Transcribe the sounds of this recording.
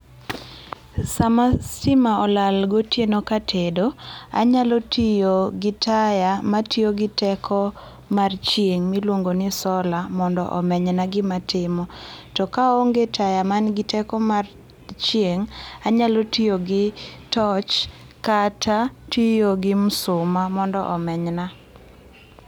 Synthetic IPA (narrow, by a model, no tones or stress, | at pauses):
samasɪmaɔlalɡotjenokatʰedoa̰ɲalɔtijoɡɪtʰajamatioɡɪtɛkʰɔ | mart͡ʃjeŋmilwoŋɡonɪsɔlamɔndɔ̰ʔɔ̰mɛɲɛnaɡɪmatʰɪmɔtɔkaoŋɡetʰajamanɡɪtɛkɔmar | t͡ʃjeŋaɲalotijoɡɪtɔt͡ʃ | katatijoɡɪmʊsʊmamɔndɔ̰ʔɔmɛɲna